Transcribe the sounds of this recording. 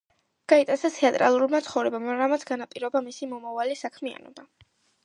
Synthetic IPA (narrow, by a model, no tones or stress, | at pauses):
ɡ̥ait̪ʼasat̪ʰɛat̪ʼɾa̰lˠuɾmat̪sʰχɔvɾɛbamɾamat̪sʰɡanapʼiɾɔbamisimɔmavalisakʰmia̰nɔ̰ba